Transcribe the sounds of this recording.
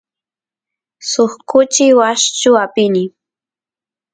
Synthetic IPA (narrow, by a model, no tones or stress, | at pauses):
soχkʊt͡ʃɪwaʃt͡ʃʊapɪnɪ